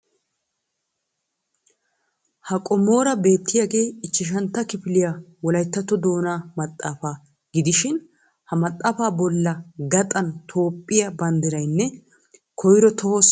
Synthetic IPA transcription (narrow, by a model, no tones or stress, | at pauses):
hɐkʼɔmo̞ːɾɐbe̞ːt̪ːɪjaːɡe̞ːɪt͡ʃːɪʃ̬ɐnt̪ːɐkɪfɪlɪjawɔlɐjt̪ːɐt̪ːɔd̪o̞ːnaːmɐt̪ʼːaːfaː | ɡɪd̪ɪʃɪn | hɐmɐt̪ʼːaːfaːbɔlːɐɡɐt̪ʼɐnt̪ʰo̞ːpʼːɪjɐbɐnd̪ɪɾɐjnːɛ | kʰɔjɾɔt̪ʰɔhɔs